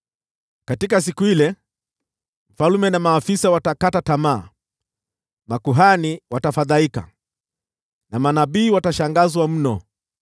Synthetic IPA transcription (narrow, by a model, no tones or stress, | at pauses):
katikas̬ikuilɛ | m̩falumɛnamaːfisawatakatatama̰ː | makuɦaniwatafaðaika̰ | namanaɓiːwataʃaŋɡazwam̩nɔ